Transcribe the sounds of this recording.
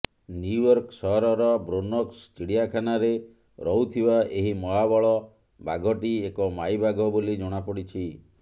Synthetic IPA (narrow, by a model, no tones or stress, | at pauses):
njujɔɾksɔɦɔɾɔɾɔbɾonɔksʈiɽijakʰanaɾe | ɾɔɦut̪ʰibaʔeɦimɔɦabɔɭɔ | baɡʱɔʈiekɔmajbaɡɔbolid͡ʒɔɽ̃apɔɽit͡ʃʰi